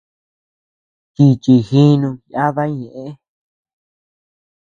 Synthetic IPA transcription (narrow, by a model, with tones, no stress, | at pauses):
k̪i˧t͡ʃi˧xi˦nũ˧ja˦ða˦ɲẽ˨ʔẽ˦